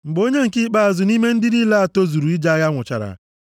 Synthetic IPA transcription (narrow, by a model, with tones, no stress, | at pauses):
ŋ͡m̩˨ɡ͡bo˦ɲe˦ŋ̩˨kɪ˦k͡pa˦a˨zʊ˨ni˦me˦n̩˦dɪ˦i˦la˦a˨to˦zu˨ɾu˨i˦d͡ʒa˦ja˦ŋʷʊ˨t͡ʃa̰˨ɾa̰˨